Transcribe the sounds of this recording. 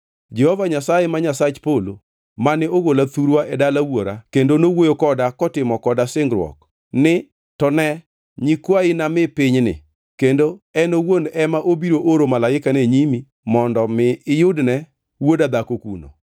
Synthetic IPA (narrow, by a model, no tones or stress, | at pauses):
d͡ʒɛhɔvaɲasajemaɲasat͡ʃpolo | manɪoɡolat̪uɾwaʔɛdalawoɾakendonowojokɔdakɔtɪmɔkɔdasɪŋɡɾwɔ̰k | nɪ | tɔnɛ | ɲikwaɪnamɪpɪɲnɪ̰ | kendoɛnowondɛmaʔobiɾoʔoɾomalaɪkaneɲimi | mɔndɔmɪɪjʊdnɛ | wodad̪akokuno̰